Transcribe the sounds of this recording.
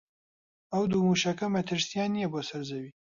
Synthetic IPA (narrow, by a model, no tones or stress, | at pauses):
ɐwd̪uːmuːʃɐkɐmɐt̪ʰɨɾsijaːnːijɛboːsɐɾzɐwiː